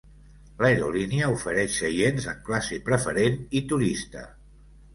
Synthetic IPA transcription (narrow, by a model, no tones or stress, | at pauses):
ləeɾṵliniəufəɾɛʃsəjenzəŋklasipɾəfəɾenit̪uɾist̪ə̰